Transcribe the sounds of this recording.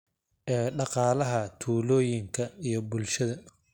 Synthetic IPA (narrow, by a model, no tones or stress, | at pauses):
ʔɛːɖɑqɑːlɐɦɐt̪ʰuːlɔːjɪŋkʰɐijɞbʊlʃɐðɐ